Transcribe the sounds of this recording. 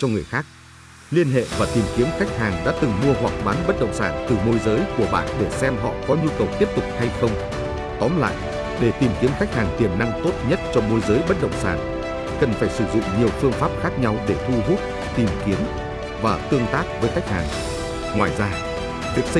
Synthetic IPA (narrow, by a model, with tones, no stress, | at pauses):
t͡ɕɔ˧ŋɨ˨˩əjxaː˦˥k̚ | li˧ənɦḛ˧˨vaː˨˩t̪i˨˩mki˨˦əmxa˦˥jk̟̚haː˨˩ŋɗa̰ː˧˥t̪ɨ˨˩ŋmu˧əɦwa˨˩k̚ɓaː˨˦nɓə˦˥t̚ɗə̰˧˨wŋ͡msaː˧˩nt̪ɨ˨˩mo˧jzəː˨˦jku˧˩əɓa̰ː˧˨nɗe˧˩sɛ˧mɦɔ̰˧˨kɔ˨˦ɲu˧kə˨˩wt̪i˦˥əp̚t̪ʊ˨˩k͡p̚ha˧jxə˧wŋ͡m | t̪ɔ˨˦nla̰ː˧˨j | ɗe˧˩t̪i˨˩mki˨˦əmxa˦˥k̚haː˨˩ŋt̪i˨˩əmna˧ŋt̪o˦˥t̚ɲə˦˥t̚t͡ɕɔ˧mo˧jzəː˨˦jɓə˦˥t̚ɗə̰˧˨wŋ͡msaː˧˩n | kə˨˩nfaː˧˩jsɨ˧˩zʊ̰˧˨ŋ͡mɲi˨˩əwfɨ˧əŋfaː˦˥p̚xaː˦˥k̚ɲa˧wɗe˧˩t̪ʰu˧ɦu˦˥p̚ | t̪i˨˩mki˨˦əm | vaː˨˩t̪ɨ˧əŋt̪aː˦˥k̚vəː˨˦jxa˦˥jk̟̚ha̰ː˨˩ŋ | ŋwaː˨˩jzaː˧ | vi˨˩ək̚